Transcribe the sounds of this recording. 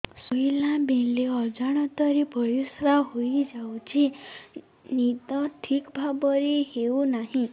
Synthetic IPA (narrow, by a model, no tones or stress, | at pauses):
suilãbeleɔd͡ʒaɽ̃ɔt̪ɔɾibʱɔjusɾaɦojd͡ʒawt͡ʃʰi | nit̪ɔʈʰikbʱabɔɾiheunaɦĩ